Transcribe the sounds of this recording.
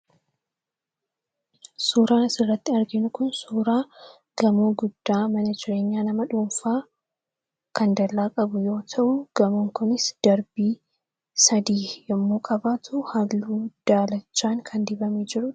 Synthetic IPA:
suːɾaːnɪsɪrːɐt̪ːɪɐɾɡɪnʊkʊnsuːɾaː | ɡ̥ɐmuːɡʊd̪ːaːmɐnɐd͡ʒɪɾe̞ːɲːaːnɐmɐᶑuːmfaː | kɐnd̪ɐlːaːkʼɐbʊjo̞ːt̪ʰɐʔʊɡ̥ɐmuːŋkʊnɪsd̪̥ɐɾbiː | sɐd̪iːjɪmːoːkʼɐbaːt̪ʰʊhɐlːuːd̪̥aːlɐt͡ʃːaːŋkʰɐnd̪ɪbɐmeːd͡ʒɪɾʊ

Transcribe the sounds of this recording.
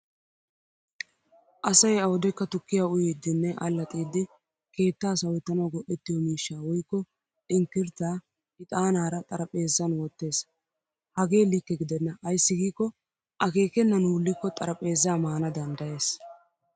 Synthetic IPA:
ʔɐsɐjɐwɔd̪ɛkːɐt̪ʊkːɪjaːʊjid̪ːɪnːɛʔɐlːɐt̪ʼiːd̪ːɪ | ke̞ːt̪ːaːsɐwɛt̪ːɐnɐwɡɔʔːɛt̪ːɪjɔmiːʃːaːwɔjkːɔ | ʔɪnt̪ɪɾt̪aː | ɪt̪ʼaːnaːɾɐt̪ʼɐɾɐpʼe̞ːzːɐnwɔt̪ːe̞ːs | hɐɡe̞ːlikːɛɡɪd̪ɛnːɐʔɐjsːɪɡiːkːɔ | ʔɐke̞ːkɛnːɐnuːlːɪkːɔt̪ʼɐɾɐpʼe̞ːzːaːmaːnɐd̪ɐnd̪ɐje̞ːs

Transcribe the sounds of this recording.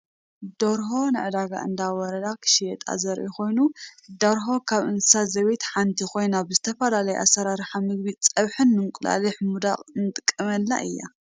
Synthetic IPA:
d̪̥oɾɦo̞nɨʕɨd̪aɡa̰ʔɨ̰nd̪awɔɾɐd̪akʰɨ̥ʃijɛt̪ʼa̰zɐɾʔiko̞jnud̪oɾɦo̞kʰaβɨnsɨ̥sazɐβet̪ħant̪ʰixʰo̞jnabɨzɨt̪ʰɐfɐlalɐjṵʔasːɐɾaɾħamɨɡ̚bit͡sʼɐβħɨnmɨŋkʼɨla̰lɨħmud̪a̰χʼnɨt̪ʼɨkʼːɐmɐlːa̰ʔɨ̰jːa̰

